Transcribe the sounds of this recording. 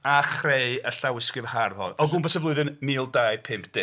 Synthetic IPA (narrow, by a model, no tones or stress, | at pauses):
aχrejəɬawɪskɪvharhɔ̰nɔɡʊnbɛsəblˠʊɨðɪnmiːlˠdajpʰɪmp̚ʰd̥ɪ